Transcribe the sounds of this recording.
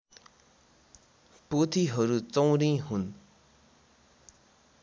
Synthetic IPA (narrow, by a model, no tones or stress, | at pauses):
pot̪ʰiɦʌɾut͡sʌw̃ɾĩɦun